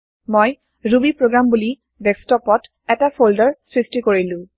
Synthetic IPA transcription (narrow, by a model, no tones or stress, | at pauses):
moj | ɹubipɹoɡɹambuli | bɛkstɔpɔt | ɛtapʰoldɔɹsɹistikoɹilʊ̃